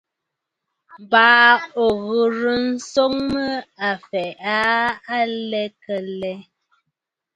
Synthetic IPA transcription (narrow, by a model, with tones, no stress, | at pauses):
baː˨˦o˨ɣə˨ɾə˨n̩˦so˦ŋmə˦a˨fɛ˨ʔa˦a˦lɛ˦kə˨lɛ˦